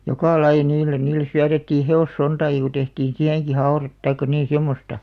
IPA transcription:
jokɑ lɑij̆ɑ̆ niːlːen niːlːes syætetːiː heosːontɑːki ku tehtiːn siæheŋki hɑu̞ret tɑikːɑ niːn̞ semːostɑ

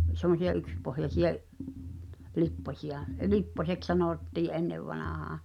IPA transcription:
semˑosiɑ ykspohjɑsij̆ɑ̝ʔ lipːosʲiɑ lipːoseks sɑnoˑtːiːʔ ʔenːeʋːɑnɑˑhɑː

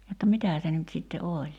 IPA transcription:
jotːɑ mitæː se nyt sitːe olʲ

